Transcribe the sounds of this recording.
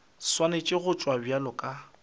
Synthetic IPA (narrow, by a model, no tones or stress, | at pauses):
swanet͡ʃʼɪɣʊt͡ʃʼwabjalɔkʼa